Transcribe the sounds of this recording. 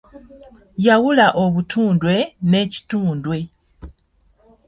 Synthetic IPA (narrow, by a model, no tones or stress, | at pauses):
jawulaʔo̞βutʰuːndwe̞ne̞ːci̥tuːndwe̞